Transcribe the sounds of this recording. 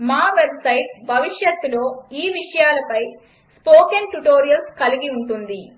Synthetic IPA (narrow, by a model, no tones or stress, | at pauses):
maːʋebsɐjʈbʱɐʋiʂjɐt̪ːuloːiːʋiʂɐjaːlɐpɐj | spoːkenʈuʈoːɾijɐlskɐliɡiuɳʈund̪i